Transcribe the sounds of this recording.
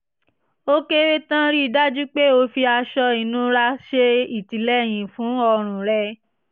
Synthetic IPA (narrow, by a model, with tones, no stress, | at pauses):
o˦ke˦ɾe˦tã˦ɾi˦˨da˦d͡ʒu˦k͡pe˦o˧fi˧a˧ʃɔ˧i˨nũ˦ɾa˧ʃe˧i˨ti˨lɛ˦˨j̃ĩ˨fũ˨˦ɔ˧ɾ̃ũ˨ɾɛ˧